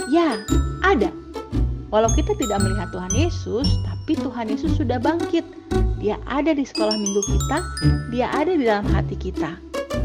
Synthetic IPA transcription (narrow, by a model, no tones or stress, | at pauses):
jaʔada | walawkit̪at̪idak̚məliɦat̪ːuɦanjesʊst̪apit̪uɦanjesʊsːudahbaŋkɪt̪̚ | diaʔadadisə̥kolahmiŋɡukit̪adiaʔadadidalamɦa̰t̪ikit̪a